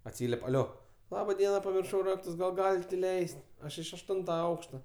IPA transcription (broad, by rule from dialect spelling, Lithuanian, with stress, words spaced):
ɐtʲˈsʲiːlʲiɛpʲ ɐˈlʲoː ˈlˠɑːbɐ ˈdʲiɛnɐ pɐmʲɪrˈʃɐʊ ˈrɑːktʊs ɡɐlˠ ˈɡɑːlʲɪtʲ ɪˈlʲɛɪsʲtʲ ˈɐʃ ɪʃ ɐʃˈtʊntɐ ˈɐʊkʃtɐ